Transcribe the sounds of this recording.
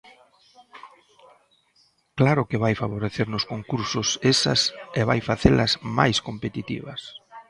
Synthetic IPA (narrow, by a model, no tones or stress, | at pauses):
klaɾʊkɪβajfaβoɾeθeɾnʊskoŋkuɾsʊsesɐ̰sɛβajfaθelɐzma̰jskompet̪it̪ḭβɐ̰s